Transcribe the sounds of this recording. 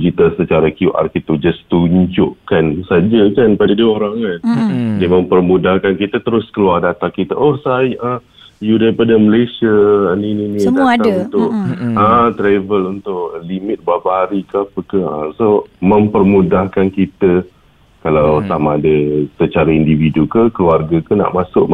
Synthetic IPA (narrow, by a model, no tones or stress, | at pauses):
d͡ʒit̪əsət͡ʃaɾakjuʔa̰rkit̪ud͡ʒast̪uɲd͡ʒʊʔkansad͡ʒəkanpadadioɾaŋandimə̃mpərmudahkankit̪ət̪əɾʊskəluardat̪aŋkit̪əʔɔhsajə | judaɾipadəməlesiənininidat̪aŋunt̪ʊʔət̪ɾavəlunt̪ʊʔlimɪt̪̚babaaɾikəapəkəəsomə̃mpərmudahkankit̪ə | kalawt̪amadəsət͡ʃaɾaindividukəkəluarɡakəna̰ʔmasʊʔ